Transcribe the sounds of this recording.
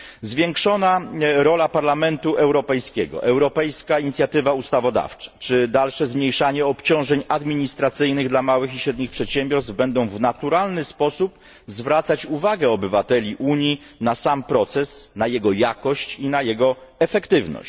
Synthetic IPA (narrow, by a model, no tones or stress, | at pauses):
zvʲjeŋkʂɔnaɾɔlapaɾlamɛnt̪uʔɛwɾɔpɛjskʲɛɡɔ̰ʔɛwɾɔpɛjskaiɲit̪sʲjat̪ɘvaust̪avɔd̪a̰ft͡ʂɛ̥t͡ʂɘd̪alʂɛzmɲejʂaɲɛɔpt͡ɕɔ̃w̃ʐɛɲad̪mʲiɲist̪ɾat̪sɘjnɘɣd̪lamawɘxiɕɾɛd̪ɲixpʂɛt̪ɕɛmbʲjɔɾst̪vbɛnd̪ɔ̃w̃vnat̪uɾalnɘspɔsup | zvɾat̪sat͡ɕuvaɡɛɔbɘvat̪ɛlʲiʔuɲinasampɾɔt̪sɛsnajɛɡɔjakɔɕt͡ɕinajɛɡɔɛfɛkt̪ɘvnɔ̰ɕ